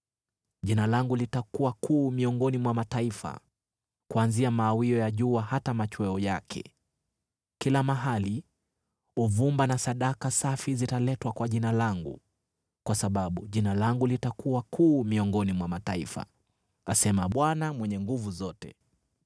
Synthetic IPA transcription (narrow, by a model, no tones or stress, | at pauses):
ʄinalaŋɡulitakuwakʰuːmiɔŋɡɔnimwamataifa̰ | kuanziamaːwiɔjaʄuahatamat͡ʃwɛɔjakʰɛ̰ | kilamaɦali | uvumbanasaɗakasafizitalɛtwakwaʄinalaŋɡṵ | kwasaɓaɓuʄinalaŋɡulitakuwakʰuːmiɔŋɡɔnimwamataifa̰ | asɛmaɓwanamwɛɲɛŋɡuvuzɔtɛ̰